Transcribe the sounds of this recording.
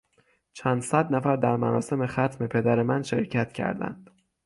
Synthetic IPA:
t͡ʃʰænd̪sæd̪næfæɾd̪æɾmænɒːse̞me̞xæt̪ʰme̞pʰe̞d̪æɾe̞mænʃe̞̰ɾcʰæt̪cʰæ̰ɾd̪æ̰nd̪̥

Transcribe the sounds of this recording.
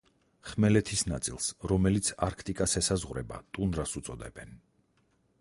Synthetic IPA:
χmɛlɛt̪ʰisnat̪sʼilˠsɾɔmɛlit̪sʰaɾkʰt̪ʼikʼasɛsazʁɾɛ̰ba̰t̪ʼunɾasut̪sʼɔd̪ɛbɛn

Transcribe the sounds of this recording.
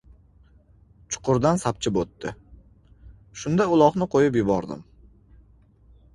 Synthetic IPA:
t͡ʃʰʊ̥qʰʊɾd̪ansap̚t͡ʃʰɪpot̪ːɪ | ʃʊnd̪aʊlˠɒχnɪqʰojɪpjʊbɒɾd̪ɪ̰m

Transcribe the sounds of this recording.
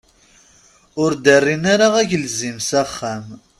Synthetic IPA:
ʊɾd̪ərːinaɾaʁæçlzimsæχːæm

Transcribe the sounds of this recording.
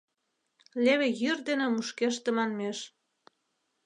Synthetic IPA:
leβĕjyrd̪enĕmuʃkeʃ̬t̪ĕmɑnmeʃ

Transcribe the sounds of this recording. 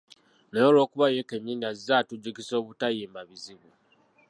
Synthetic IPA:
nejolo̞ːkuβajekemjiːndazizatuɟukiso̞ːβutajiːmbaβiziβu

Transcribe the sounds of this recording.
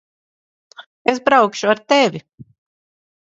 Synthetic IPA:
esbɾawkʃuaɾt̪evʲi

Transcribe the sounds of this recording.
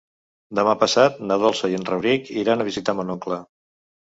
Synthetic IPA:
d̪əmapəsat̪̚nəðolˠsəjenrəβɾikiɾanəβizit̪amənɔklə

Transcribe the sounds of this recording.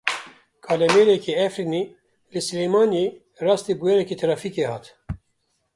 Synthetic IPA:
kʰɑːlɛmeːɾɛkiɛfɾini | lɨsɨleːmɑːne | rɑːst̪ibujɛɾɛkit̪ʰɾɑːfiːkehɑ̰ːt̪

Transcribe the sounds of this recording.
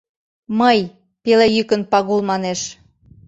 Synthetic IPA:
məj | pelejykə̆npɑɣulmɑneʃ

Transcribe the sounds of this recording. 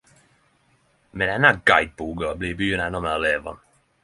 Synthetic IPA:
mɛnɛnaɡajt̪̚buːɡɔabliːbyːənanɔmalɛːvɔ̰n

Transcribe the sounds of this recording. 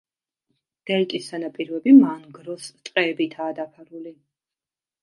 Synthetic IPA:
ɡ̥ɛlt̪ʼisanapʼiɾvɛbimanɡɾɔst̪sʼqʼɛːbit̪ʰaːd̪apʰaɾuli

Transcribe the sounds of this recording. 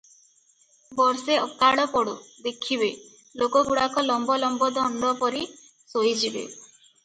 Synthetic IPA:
bɔɾseɔkaɽɔpɔɽud̪ekʰiβe | lokɔbuɽakɔlɔmbɔlɔmbɔd̪ɔɳɖɔpɔɾi | sojd͡ʒibḛ

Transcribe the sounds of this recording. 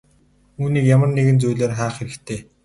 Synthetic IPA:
uːniːkjamə̆rneɣɘ̆nt͡sujɮeːrχaːχxeɾɘ̆kt̪ʰeː

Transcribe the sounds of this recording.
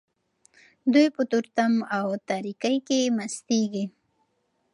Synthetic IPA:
d̪ujpət̪uɾt̪amawt̪aɾikajkemast̪eɡi

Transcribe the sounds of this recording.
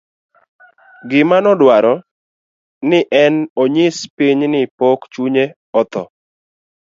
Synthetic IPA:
ɡɪmanɔdwaɾɔ | nɪʔɛnoɲɪspiɲnɪpokt͡ʃuɲe | ɔt̪ɔ̰

